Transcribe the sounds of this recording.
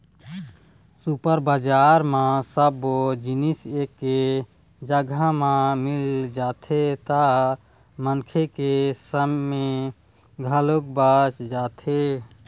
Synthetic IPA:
supəɾbad͡ʒaːɾmãsəbod͡ʒinisekːe | d͡ʒəɡʱamãmild͡ʒaːt̪ʰet̪a | mənkʰekesəmːe | ɡʱəlokbaːt͡ʃd͡ʒaːt̪ʰe

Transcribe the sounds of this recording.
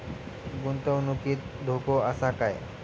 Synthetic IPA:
ɡunt̪əwnukiːt̪̚d̪ʱokoəsakaj

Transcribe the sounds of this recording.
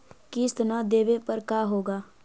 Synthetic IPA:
kist̪nad̪eːʋepɐɾkaːɦoːɡaː

